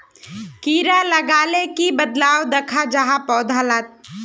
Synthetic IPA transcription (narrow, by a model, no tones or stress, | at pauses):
kiːɾaləɡaːlekibəd̪laːwd̪əkʰad͡ʒaɦapɔːd̪ʱalaːt̪̚